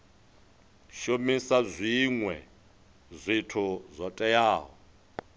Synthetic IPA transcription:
ʃomisazʷiŋwɛ̰ | zʷitʰuzʷɔtʼɛjaːɦɔ

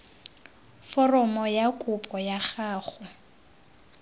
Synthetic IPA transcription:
fɔrɔmɔjakʼʊpʼɔjaχaːχʊ

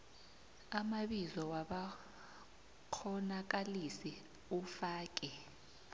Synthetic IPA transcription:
amaɓizɔwaɓa | kʰɔnak̬alisi | ufaːk̬ʼɛ

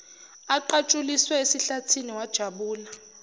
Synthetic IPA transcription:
aǃat͡ʃʼuliswɛesiɬatʰiniwad̥ʒ̥ʱaɓuːla

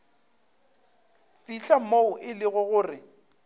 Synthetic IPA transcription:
fiɬamoʊʔɪlɪɣʊɣʊːrɪ

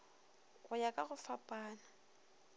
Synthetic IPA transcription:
ɣʊjakʼaɣʊfapʼaːna

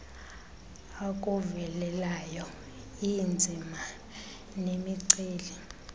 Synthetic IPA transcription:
akʼuvɛlɛlajɔ | ind͡zʱima | nemiǀeːli

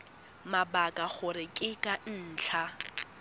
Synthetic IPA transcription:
mabakʼaχʊɾɪkʼɪkʼan̩t͡ɬʰa

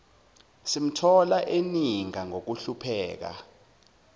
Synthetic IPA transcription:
sim̩tʰɔlaʔeniŋaŋok̬uɬupʰɛːk̬a̰

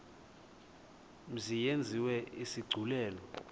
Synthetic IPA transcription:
zijend͡zʱiwɛisiɡ͡ǀʱulɛːlɔ

